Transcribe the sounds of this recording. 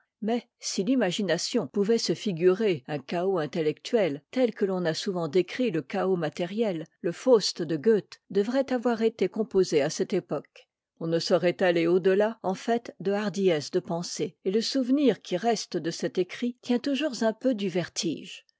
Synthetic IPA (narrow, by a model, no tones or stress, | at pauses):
mɛ | silimaʒinasjɔ̃puvɛsəfiɡʲyʁeɛ̃kaoɛ̃t̪elɛkt̪ɥɛlt̪ɛlkəlɔ̃nasuvɑ̃d̪ekχiləkaomat̪ɛʁjɛlːəfost̪d̪əɡøt̪d̪əvʁɛt̪avwaʁet̪ekɔ̃pozeasɛt̪epɔk | ɔ̃nəsɔʁɛt̪aleod̪əlaɑ̃fɛt̪d̪əaʁd̪ijɛsd̪əpɑ̃seeləsuvniʁkʲiʁɛst̪d̪əsɛt̪ekχit̪jɛ̃t̪uʒuʁzɛ̃pød̪yvɛʁt̪ʰiʒ